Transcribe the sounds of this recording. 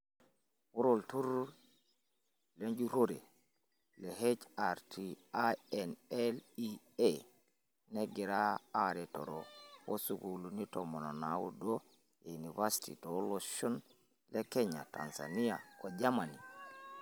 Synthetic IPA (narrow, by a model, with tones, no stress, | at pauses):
wu˦ɾo˨ltu˦ɾ | le˦ɲd͡ʒu˦ɾo˦ɾe˨ | le˨he˦t͡ʃaɾtʰiaɛnɛli | e | ne˦ɡi˨ɾaː˦ɾe˨to̰˨ɾowo̰˦suɡuluni˦tomo˨no˨nawṵ˦do˦ | euni˨va˦si̥tḭ˨toloʃo˦n | le˦ke˦ɲa̰˨ta̰nsa̰˨ni˦ja˨ko˨d͡ʒa˦ma˨ni˨